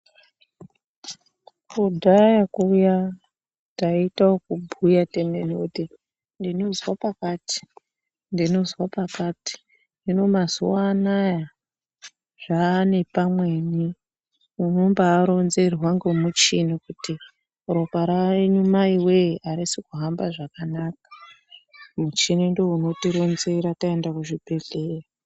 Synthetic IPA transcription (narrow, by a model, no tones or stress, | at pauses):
kudʱajakuːja | taitaokubʱujatemenouti | ndino̞zwapakaːti̥ | ndino̞zwapakati̥ | ndino̞mazuwaːnaja | ʐ̥ane̞pamwe̞ni | uno̞mbaːɾo̞nze̞rwaŋɡemut͡ʃinikuti | uɾopaɾaeɲumaiweʔaɾisikuɦambaʐakanaːkḁ | mut͡ʃinindo̞uno̞tiɾo̞nzeɾataendakuʐibʱe̞ɮeːra